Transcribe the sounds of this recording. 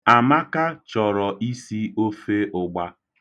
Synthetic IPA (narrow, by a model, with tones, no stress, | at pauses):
a˨ma˦ka˦t͡ʃɔ˨ɾɔ˨ʔi˦si˦o˦fe˦ʔʊ˨ɡ͡ba˦